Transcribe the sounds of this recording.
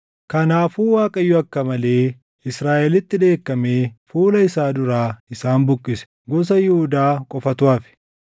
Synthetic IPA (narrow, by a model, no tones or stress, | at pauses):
kɐnaːfuːwaːkʼɐjːʊɐkːɐmɐle̞ː | ɪsɾaːʔɛlɪt̪ːɪᶑ̪e̞ːkːɐmeːfuːlɐɪsaːd̪ʊɾaːɪsaːnbʊkʼːɪsɛ̥ | ɡɔs̬ɐjɪhʊd̪aːkʼɔfɐt̪ʊaːfɪ̥